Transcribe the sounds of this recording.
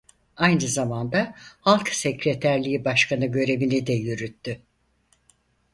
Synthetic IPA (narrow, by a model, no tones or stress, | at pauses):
ajnɯzamand̪ahalˠksecɾet̪ʰæɾlʲiibaʃkʰanɯɟø̞ɾe̞βinid̪ɛjyɾyt̪ːy